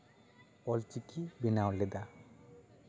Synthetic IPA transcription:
ɔlt͡ʃikibinawled̪a

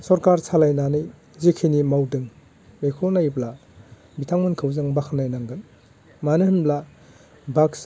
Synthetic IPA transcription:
sɔɾkaɾsʰalajnanɯj | zikʰinimawdɯŋ | mekʰolnajbla | bitʰaŋmɯnkʰɯwzɯŋbakʰnajnaŋɡɯn | manɯhɯnbla | baks

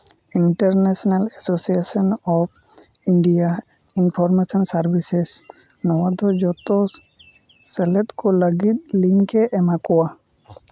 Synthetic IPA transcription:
iɳʈəɾnesɔnalesosiesɔnɔp̚ | iɳɖija | inpʰɔɾmesɔnsaɾbises | nɔwad̪ɔd͡ʒɔt̪ɔ | səlɛt̪koləɡit̪̚liŋkɛʔɛmakɔwa

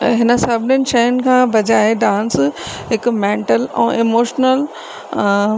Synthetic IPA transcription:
ɦɪnə̆sɐbʱnʊnɪʃɐjʊnɪ̆kʰãːbʱɐd͡ʑaːeɖãːnsɦɪkmẽːɳʈəlɛ̰̃ːʔemoːʃnəl

